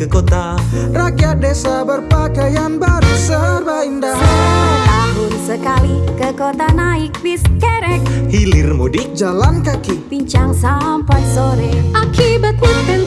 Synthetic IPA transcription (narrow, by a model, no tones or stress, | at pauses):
kəkot̪arakjat̪̚desabərpakajanbaɾisəarbaindahsət̪aɦʊnsəkalikəkot̪anaik̚biskɛɾɛk̚hilɪrmudɪk̚d͡ʒalankakipiɲt͡ʃaŋsampat̪̚soɾeʔakibat̪̚mupɛn